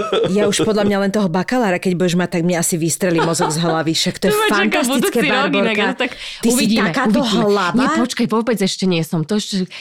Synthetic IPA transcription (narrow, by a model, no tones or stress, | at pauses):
jauʃpɔd̪lamɲalɛnt̪ɔɦɔbakalaːɾakɛɟbujɛʒmat̪ːaɡmɲɛasiʋist̪ɾɛlimɔzɔɡzɦlaʋiʃakt̪ɔjɛfantasitt͡skɛbaɾɡbɔnɾkt̪akt̪iusiːt̪aɛkaːt̪ɔɦlaʋɲaɛpɔt͡ʃkajʋɔbɛd͡zɛʃcɛɲɪɛsɔmt̪ɔɛʃcɛ